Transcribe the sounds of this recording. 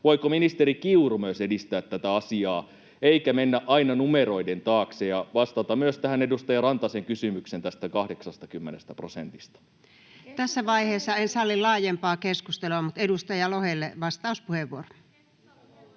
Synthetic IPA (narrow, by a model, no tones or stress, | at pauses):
ʋoikominist̪eɾikiurumyøsedist̪æːt̪tːæt̪æɑsiɑː | eikæmenːæʔɑinɑnumeɾo̞ident̪ɑːksejɑʋɑst̪ɑt̪ɑmmyøst̪æhænedust̪ɑjɑrɑnt̪ɑseŋkysymyksent̪æst̪ækɑhdeksɑst̪ɑkymːenest̪æprosent̪ist̪ɑ̥ | t̪æsːæʋɑiheːsːɑensɑlːillɑːjempɑːkeskust̪eluɑmut̪edust̪ɑjɑlohelːeʋɑst̪ɑuspuheʋuoro̥